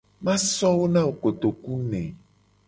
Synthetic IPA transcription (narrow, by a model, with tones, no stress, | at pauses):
mã˦sɔ˦wo˦nã˦wo˦ko˨t̪o˨ku˦nɛ̃˨